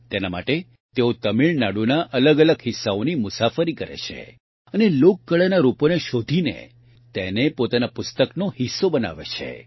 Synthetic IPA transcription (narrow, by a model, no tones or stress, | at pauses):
t̪enama̰ʈe | t̪eot̪əmiɭnaɽunaʔʔələɡələɡɦɪsːaonimʊsafəɾikəɾḛt͡ʃʰḛ | ənelokːəɭanaɾuponeʃod̪ʱinḛ | t̪enepot̪anapʊst̪əknohisːobəna̰ʋḛt͡ʃʰḛ